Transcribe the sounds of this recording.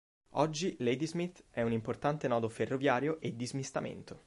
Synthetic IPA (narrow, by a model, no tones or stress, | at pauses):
ɔd͡ʒːilejd̪izmit̪ːɛunimport̪ant̪enɔːd̪oferːovjaːɾjoʔed̪ːizmist̪amḛnt̪o